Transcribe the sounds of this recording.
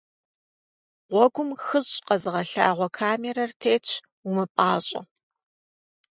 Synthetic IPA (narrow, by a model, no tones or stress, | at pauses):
ʁʷɔɡʷʊmxɨʑʼqɐzɨʁɐɬa̰ːʁʷɔkʰaːmeɾɐrtʰeːt͡ʃʰ | umɨpʼaːɕʼɐ̰